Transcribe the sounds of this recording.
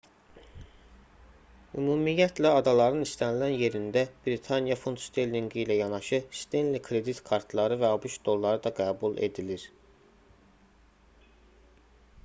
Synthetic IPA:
ymuːmijæt̪ʰlæɑd̪ɑlˠɑɾɯnist̪ænilænje̞ɾind̪æb̥ɾit̪ʰɑnjɑfunt̪st̪elʲniŋɡijlæjɑnɑʃɯst̪enlikʰɾe̞d̪it̪kʰɑɾt̪ʰlˠɑɾɯvæɑbuʃt̪d̪o̞lˠːɑɾɯd̪ɑɡæːbule̞̰d̪iliɾ

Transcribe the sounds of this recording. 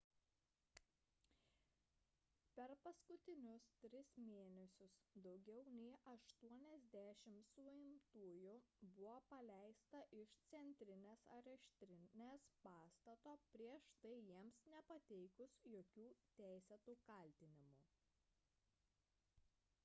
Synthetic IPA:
pʲɛɾpɐskʊt̪ʲɪnʲʊst̪ʲɾʲɪsmʲeːnʲɛsʲʊsd̪ɒʊɡʲɛʊnʲɛɪʔɐʃt̪uɔnʲɛzʲd̪ʲæʃʲɪmsʊɪmt̪uːjʊbʊʋoːpɐlʲæˑɪst̪ɐʔɪʃt̪sʲɛnʲt̪ʲɾʲɪnʲeːsɐɾʲɛʃʲt̪ʲɾʲɪnʲeːspɑːst̪ɐt̪oːpʲɾʲiɛʃt̪ɐɪjiɛmsnʲɛpɐt̪ʲɛɪkʊsjoːkʲuːt̪ʲæˑɪsʲɛt̪uːkɐlʲt̪ʲɪnʲɪmuː

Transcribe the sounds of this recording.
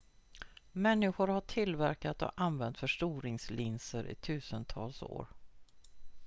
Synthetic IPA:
mɛnːɪɧʊɾhaʈʰɪlvæɾkat̪ɔ̰anvɛnt̪fœʂʈuːɾɪŋslɪnsəɾʔɪ̰t̪ʰʉ̟ːsənt̪ʰɑ̰ːlso̰ːɾ

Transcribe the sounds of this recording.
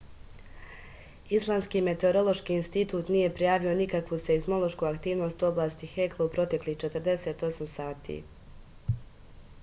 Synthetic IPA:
islˠaːmnskiːme̞t̪e̞oɾo̞lˠo̞ʃkiːnst̪it̪uːt̪nije̞pɾijaːʋio̞nikakʋuseizmo̞lˠo̞ʃkuakt̪iːʋno̞ːst̪uoblˠaːst̪ixeklˠoupɾo̞t̪e̞kliht͡ʃe̞t̪r̩d̪e̞seːt̪o̞samsaːt̪ʰḭ

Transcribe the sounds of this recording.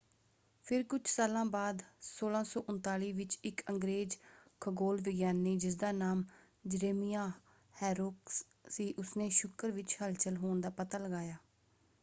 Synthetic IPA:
pʰɪɾkʊt͡ʃʰsaːlãːbaːd̪soːlãːsɔːʔʊnt̪aːliːʋɪt͡ʃɪkəŋɡɾeːd͡ʒkʰəɡoːlʋɪɡjaːnːeːd͡ʒɪs̬d̪aːnaːm | d͡ʒəɾeːmijaː | hɛːɾʊks | siːʔʊsnẽːʃʊkəɾʋɪt͡ʃhəlt͡ʃəlɦoːnd̪aːpət̪aːləɡaːjaː

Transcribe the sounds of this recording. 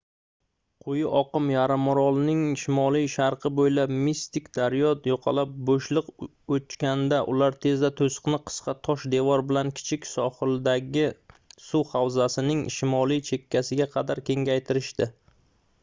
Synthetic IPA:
qʰʊjɪʔɒqɨmjaɾɪmɾɒlˠnɪŋʃɪmɒlˠijʃaɾqʰɨbojlabmist̪ɪkʲd̪aɾjɒt̪joqʰɑ̰lap̚boʃlˠɨq | ot͡ʃkʲand̪aʔʊlaɾt̪ʰe̞zd̪at̪ʰosɨ̥qnɪqʰɨ̥sqʰɑt̪ʰɒʃd̪e̞vɒɾbɪlankʲʰɪ̥t͡ʃʰɪkʲsɒχɨld̪aɡʲɪsuhawzasɪnɪŋʃɪmɒlˠijt͡ʃʰe̞kʲʰːasɪɡʲaqʰɑd̪aɾkʲʰe̞ŋɡʲajt̪ʰɪɾɪʃt̪ɪ

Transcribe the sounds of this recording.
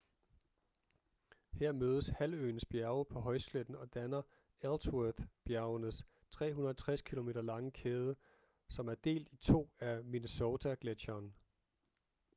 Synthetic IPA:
heɐ̰møːð̞ˠəshælø̰ːn̩sb̥jæɐʊəpʰɒ̽ɦɒ̽ɪsled̥n̩ɒ̽d̥ænɐ | elswøθb̥jæɐʊənəs | t͡sʰʁɛ̰ːɦunɐæɐt͡sʰʁaskʰilo̝me̝ːdɾɐlɑ̈ŋəkʰeːð̞ˠə | sɒ̽mæɐd̥e̝̰ːld̥it͡sʰo̝̰ːæmineso̝ːt͡sʰæɡ̥le̥ɕɐːn

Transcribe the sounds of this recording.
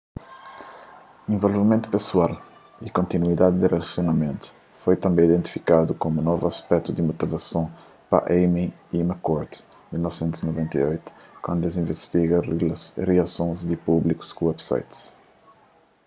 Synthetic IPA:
ẽvolvimẽnt̪u̥peswal | ikõnt̪inuid̪ad̪id̪irelasjonɐmẽnt̪u̥ | fojt̪ɐ̃mbẽid̪ẽnt̪i̥fikad̪ukomunɔvuɐspɛk̚t̪ud̪imot̪ivɐsɐ̃w̃ | pɐ̰ʔemi | imɐkɔɾt̪ | milnɔvsẽnt̪uz̥inovẽnt̪ɐ̰ojt̪u̥kwɐ̃nd̪d̪ezĩvest̪iɣɐreɐsõzd̪ipubliku̥skuwɛbsa̰jt̪s

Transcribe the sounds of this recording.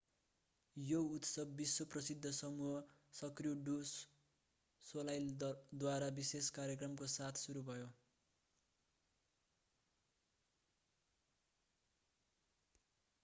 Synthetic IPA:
jout̪sʌbːiswʌprʌsid̪ʱːʌsʌmuʌsʌkrijoɖus | solajld̪waɾabiseskaɾjʌkrʌmkosat̪ʰsuɾubʱʌjo

